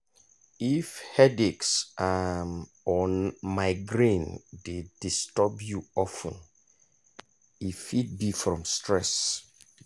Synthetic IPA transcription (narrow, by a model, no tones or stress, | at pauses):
ifhɛdeksʔam | ɔ̃nmaɪɡɹĩndedistɔbjuɔfə̰̃n | ifit̚bifɹɔ̃mstɹɛs